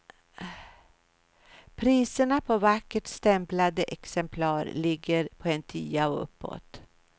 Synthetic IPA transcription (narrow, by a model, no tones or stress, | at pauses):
pʰɾiːsəɳapʰɔvakːəʈst̪ɛmplad̪əʔɛksɛmpʰlɑːɾlɪɡːəɾpʰɔɛnt̪ʰyːaɔɵ̰pːɔ̰t̪